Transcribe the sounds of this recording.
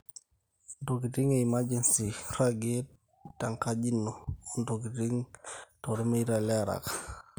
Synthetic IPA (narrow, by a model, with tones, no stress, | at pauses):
ndoki˨ti˦ŋe˨i˨ma˦d͡ʒɛ˨nsi˨ɾaɡe | ta˨ŋka˦d͡ʒi˦nːo˨ndoki˨ti˦ŋtɔɾɔ˦ma˦iɾa˨lɛ˦a˨ɾa̰k